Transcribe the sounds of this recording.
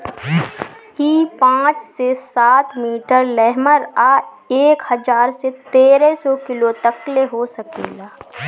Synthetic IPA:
iːpãːt͡ʃsesaːt̪miːʈəɾlɛɦməɾaː | eːkhɐd͡ʒaːɾset̪eːɾesɔːkɪlot̪ɐkleɦosɐkḛːɡaː

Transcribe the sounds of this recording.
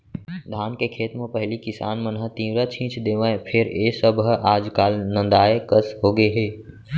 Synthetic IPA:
d̪ʱaːnkekʰeːt̪mẽpəɦlikɪsa̰ːnmənɦət̪ĩːʋɾət͡ʃʰĩːt͡ʃd̪eːʋãẽpʰɪɾeːsəbɦaːd͡ʒkaːlnə̃nd̪aːekəsɦoːɡeɦeː

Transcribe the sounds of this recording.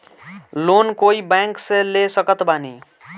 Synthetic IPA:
lonkoibaŋkselesəkət̪bani

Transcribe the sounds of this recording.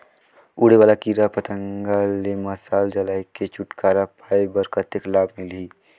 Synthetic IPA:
uːɽeʋaːlakiɾapət̪ə̃ŋɡaleməsaːld͡ʒəlaːiket͡ʃʊʈkaːɾapʰaːjbəɾkət̪eklaːbmɪliː

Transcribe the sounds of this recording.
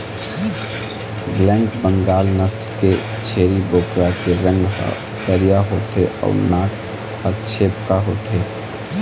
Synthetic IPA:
ɡlɛ̃ːŋɡbəŋɡaːlnəslke | t͡ʃʰeːɾiboːkɾakeɾə̃ŋɡa̰ | kəɾijaɦoːt̪eɔ̰ʊɾnaːk | hət͡ʃʰepkaɦoːt̪e

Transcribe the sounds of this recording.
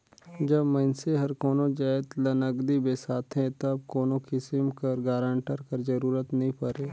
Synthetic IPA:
d͡ʒɐbmɐ̃nseɦɐɾkoːnõd͡ʒaːɪt̪lɐnəɡd̪ibesaːt̪ʰɦẽt̪ɐb̚koːnokɪsɪmkɐɾɡaːɾãɳʈəɾkɐɾzɐɾuːɾət̪nəɦĩpɐɾeː

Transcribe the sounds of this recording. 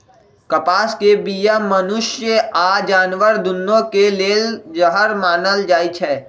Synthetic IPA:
kɐpaːskebijamɐnʊʃjəaːd͡ʒaːnʋəɾd̪ʊnːõkeleːld͡ʒəɦəɾmaːnəld͡ʒaːit͡ʃʰɛː

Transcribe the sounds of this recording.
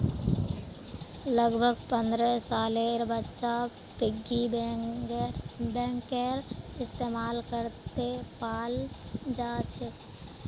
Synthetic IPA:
ləɡbʱəɡpə̃nd̪ɾəsaːleɾbətːʃa | pɪɡːi | bɛ̃ːŋkeɾɪst̪eːmaːlkəɾt̪epaːld͡ʒaːt͡ʃʰɛ

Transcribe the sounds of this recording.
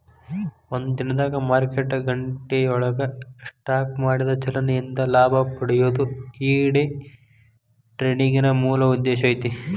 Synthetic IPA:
ond̪ud̪inɐd̪aːɡɐmaːɾkeʈːɐɡɐɳʈejɐɔɭɐɡɐʂʈaːkmaːɽid̪ɐt͡ʃɐlɐnejind̪ɐlaːbʱɐpɐɽɛjoːd̪uiːɽe | ʈɾeːniŋɡinɐmuːlɐud̪ːeːʃɐjit̪i

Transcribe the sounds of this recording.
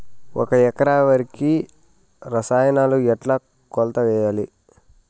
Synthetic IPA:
wʔɔ̰kɐɛkɐɾaːʋɐɾiki | ɾɐsaːjɐnaːluɛʈla | kɔlt̪ɐʋɛːjaːli

